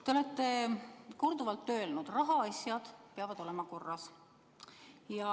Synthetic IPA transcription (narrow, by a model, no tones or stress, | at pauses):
t̪e̞o̞le̞t̪ːe̞ko̞rd̪uvɑlt̪ːø̞ːlnud̪̥rɑɦɑɑsʲjɑd̪̥peɑvɑd̪̥o̞lemɑko̞rːɑs | jɑ